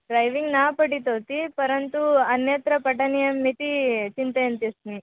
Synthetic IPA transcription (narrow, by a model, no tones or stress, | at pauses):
ɖɾɐjʋiŋɡnaːpɐʈit̪ɐwt̪ipɐɾɐnt̪uɐnjet̪ɾɐpɐʈɐnijɐmːit̪it͡ʃint̪ɐjɐnt̪ist̪ni